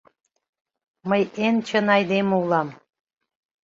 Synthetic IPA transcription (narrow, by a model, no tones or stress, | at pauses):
məjent͡ɕə̆nɑjd̪emulɑm